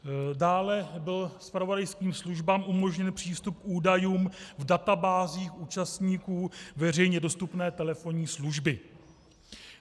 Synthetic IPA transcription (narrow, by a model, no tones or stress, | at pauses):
daːlɛbɪlspɾavo̞dajskiːmsluʒbaːmʔumo̞ʒɲɛnpr̥iːst̪up̚kʔuːdajuːmvdat̪abaːziːxʔuːt͡ʃast̪ɲiːkuːvɛr̝ɛjɲɛdo̞st̪upnɛːt̪ɛlɛfo̞ɲiːsluʒbɪ